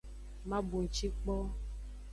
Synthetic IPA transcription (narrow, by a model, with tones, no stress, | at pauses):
mã˦bu˨ŋ̩˨t͡ʃi˦k͡pɔ˦